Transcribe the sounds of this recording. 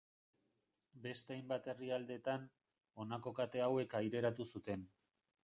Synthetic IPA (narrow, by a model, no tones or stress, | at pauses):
be̞st̪eajmbat̪e̞riald̪e̞t̪an | o̞nako̞kat̪e̞awe̞kajɾe̞ɾat̪usut̪e̞n